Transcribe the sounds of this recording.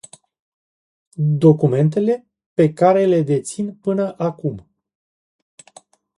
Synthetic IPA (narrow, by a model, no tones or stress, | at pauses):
d̪o̞kume̞nt̪e̞le̞ | pe̞kaɾe̞le̞d̪e̞t̪sinpɨnəʔakum